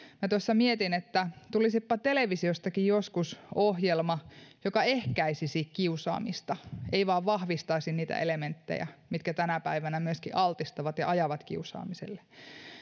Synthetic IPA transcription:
mæt̪osːɑmiet̪inet̪ːæt̪ulisipːɑt̪eleʋisiost̪ɑkijjoskusohjelmɑjokɑehkæisisikkiusɑ̰ːmist̪ɑeiʋɑːʋʋɑhʋist̪ɑisinniːt̪æ̰ʔelement̪ːḛjæ̰mit̪kæt̪ænæpæiʋænæmyøskiʔɑlt̪ist̪ɑʋɑt̪jɑ̰ʔɑjɑʋɑt̪kḭusɑ̰ːmisḛlːe̥

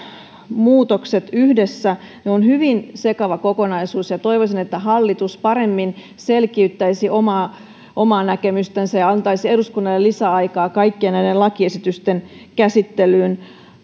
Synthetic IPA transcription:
muːt̪okset̪yhdesːæ | neonhyʋinsekɑʋɑkokonɑisuːsjɑt̪oiʋosinet̪ːæɦɑlːit̪uspɑɾemːin | selkiyt̪ːæisiʔomɑː | ʔomɑːnækemyst̪ensæjɑɑnt̪ɑisieduskunːɑlːellisæɑikɑːkɑikːienæidelɑkiesit̪yst̪enkæsit̪ːelyːn

